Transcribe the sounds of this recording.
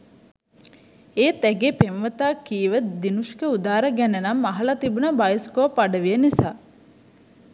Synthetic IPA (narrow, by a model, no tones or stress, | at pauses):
eːt̪ɛɡeːpemʋət̪aːkːiːʋəd̪inuʃkəud̪aːɾɐɡænenɐmːɐɦɐlɐt̪ibunabajiskoʋpaɖɐʋijənisaː